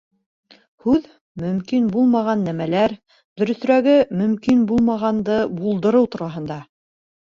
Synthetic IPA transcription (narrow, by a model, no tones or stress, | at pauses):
hʉð | mɵ̆mkinbulˠmɑʁɑnːæmælæɾ | d̪ɵ̆ɾɵ̆θɾæɡɘmɵ̆mkinbulˠmɑʁɑnd̪ɤbulˠd̪ɤ̆ɾɤwt̪uɾɑɦɤ̆nd̪ɑ